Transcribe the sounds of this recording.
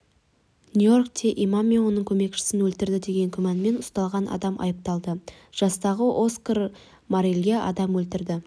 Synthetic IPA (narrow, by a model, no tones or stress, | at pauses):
nʲuork̚t̪ʰeʔimamʲiwonəŋkʲʰɵme̞kʃɪ̥sɪnwɵlt̪ɪɾd̪ɪd̪e̞ɡʲe̞ŋkʲʰʏmænme̞nʊ̥st̪ɑlˠʁɑnʔɑ̰d̪ɑmʔɑ̰jəp̚t̪ɑlˠd̪əʒ̥ɑst̪ɑʁəʔo̞skar | maɾelʲɡʲeɑ̰d̪ɑmwɵlt̪ɪɾd̪ɪ